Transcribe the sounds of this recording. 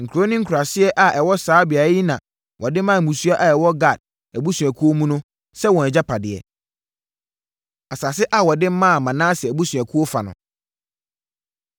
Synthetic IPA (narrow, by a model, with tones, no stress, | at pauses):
ŋ̩˨kʰu˨ɾo˦nɪ̃˦ŋ̩˦kʰu˨ɾa˨sɪ˦ɛ˦ʔa˨ʔɛ˨wɔ˦saː˨˦bɪ˨a˨˦ji˦nã˨ | wʔɔ˨dɪ̃˦mã˦˨mũ˨su˦a˦ʔa˨ɛ˨wɔ˦ɡa˨d̚ | æ˨bu˦sũ˨æ˨kʰu˦o˦mũ˦nʊ̃˦ | sɛ˦wɔ̃˨nɛ˨d͡ʑa˦pʰa˨dɪ˨ɛ̰˨ | a˨sa˨s̬ɪ˦ʔa˨wɔ˨dɪ̃˦m˦mã˦˨mã˨nãː˦sɛ˨æ˨bu˦sũ˨æ˨kʰu˦o˦fa˨nʊ̰̃˨